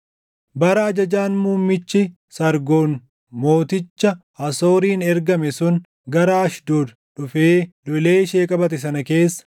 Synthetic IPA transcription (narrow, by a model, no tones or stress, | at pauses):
bɐɾɐɐd͡ʒɐd͡ʒaːnmuːmːɪt͡ʃːɪ | sɐɾɡo̞ːn | mo̞ːt̪ɪt͡ʃːɐ | ɐso̞ːɾiːnɛɾɡɐmɛsʊn | ɡɐɾɐɐʃd̪oːd̪ | ᶑʊfeːlɔleːʃeːkʼɐbɐt̪ɛsɐnɐke̞ːsːɐ̥